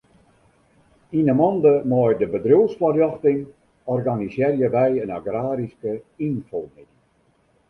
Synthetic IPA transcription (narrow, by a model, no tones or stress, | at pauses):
inamɔndəmɔjdəbədrøsfɔrjɔxtɪŋ | ɔrɡanisjɪrjəʋɛjənaɡraːɾiskəinfɔlˠmɪdi